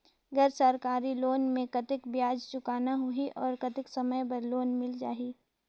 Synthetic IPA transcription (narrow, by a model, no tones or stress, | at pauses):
ɡəɾsəɾkaːɾiloːnmẽkɐt̪ɪkbjaːd͡ʒt͡ʃʊkaːnaɦʊiʔɔːɾkɐt̪ɪksɐməjpɐɾloːnmɪld͡ʒa̰ːiː